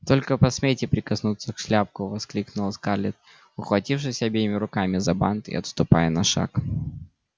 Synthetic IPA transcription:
t̪o̞lʲkəpɐsmʲetʲɪpɾʲɪkɐsnut̪sːəkʂlʲap̚kʊvɐsklʲiknʊlˠskarlʲɪt̪̚ | ʊxvɐtʲifʂɨsʲɐbʲejɪmʲɪɾʊkamʲɪzɐba̰nt̪ɪ̰ɐ̰t̪st̪ʊpa̰jənɐʂa̰k

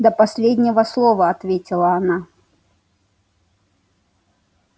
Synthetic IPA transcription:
d̪əpɐsʲlʲedʲnʲɪvəslˠovəɐt̪vʲetʲɪlˠəɐna

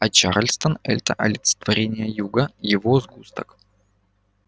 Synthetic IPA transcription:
ɐt͡ɕa̰ɾlʲst̪ənɛ̰lʲt̪əʔɐ̰lʲɪt̪sə̥t̪vɐɾʲenʲɪjəjuɡəjɪvozɡust̪ək

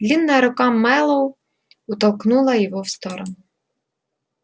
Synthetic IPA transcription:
d̪lʲinːɐɾʊkɑmːɛlˠɔw | ʊt̪ɐlˠknulˠɐjɔɦɔwst̪ɔɾɔnʊ

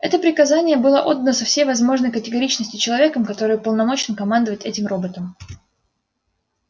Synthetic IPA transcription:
ɛ̰t̪əpɾʲɪkɐzanʲɪjəbɨlˠəʔo̞d̪ːənəsɐfsʲejvɐzmo̞ʐnəjkətʲɪɡɐɾʲit͡ɕnəsʲtʲʊt͡ɕɪlˠɐvʲekəmkɐt̪o̞ɾɨjpəlˠnɐmo̞t͡ɕɪnkɐmand̪əvətʲɛtʲɪmro̞bət̪əm

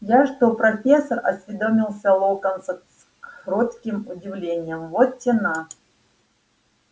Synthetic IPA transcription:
jaʂt̪opɾɐfʲesərɐsʲvʲɪd̪omʲɪlˠsʲɐlˠokənsəs | ɾot̪kʲɪmʊdʲɪvlʲenʲɪjəmvot̪tʲɪna

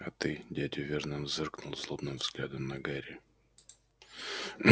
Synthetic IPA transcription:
ɐt̪ɨdʲædʲɪvʲernɨmzɨrknʊlˠzlˠobnɨmvz̥ɡlʲad̪əmnɐɡaɾʲɪ

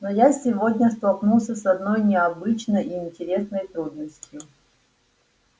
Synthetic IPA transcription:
nojasʲɪvo̞dʲnʲəst̪ɐlˠknulˠsʲəsɐd̪no̞jnʲɪɐbɨt͡ɕnəjiɪnʲtʲɪɾʲe̞snəjt̪ɾud̪nəsʲtʲjʊ

